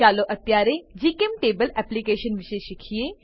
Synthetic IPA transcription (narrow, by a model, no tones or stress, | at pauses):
aːloʔɐt̪jaːɾed͡ʒiːkemʈeːbəlɛːplikeːʃənʋɪʃeʃikʰijeː